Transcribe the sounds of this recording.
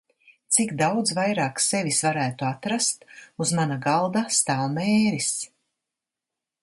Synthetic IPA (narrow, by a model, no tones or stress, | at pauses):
t̪sikd̪awd̪zvajɾaːksevisvaɾæːt̪uat̪ɾast̪uzmanaɡalˠd̪ast̪aːlmɛːɾis